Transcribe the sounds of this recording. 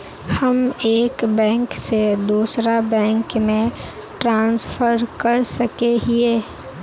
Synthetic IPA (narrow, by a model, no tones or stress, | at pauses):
həmeːkbɛ̃ːŋksed̪uːsɾabɛ̃ːŋkmẽ | ʈɾãːnspʰəɾkəɾsəkeɦieː